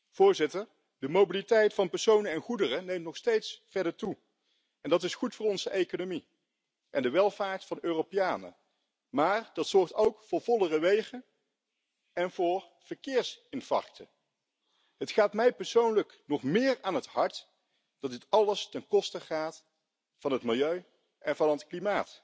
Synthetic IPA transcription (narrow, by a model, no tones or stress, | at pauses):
v̥ʊːɹzɪtəɹ | dəmowbilitɛjtfɑnpɛɹsownəɛnχudərənejmtnɔχstejtsfɛɹdəɹtu | ʔɛndɑtɪsχutfʊːɹɔnzəʔejkonomi | ʔɛndəʋɛlˠvaːɹtfɑnøːropɪjaːnə̰ | maːɹd̥ɑtsɔɹχtowkfʊːɹvɔlərəʋejχən | ɛnvʊːɹ | v̥əɹkɪːɹsɪnfɑ̰ɹk̚tʰə̰ | ɦətχaːtmɛjpɛɹsownləknɔχmɪːɹaːnɦəthɑɹt | d̥ɑtdɪtɑləstɛnkɔstəχaːt | fɑnɦətmɪlˠjøɥ | ʔɛnvɑnətklimaːt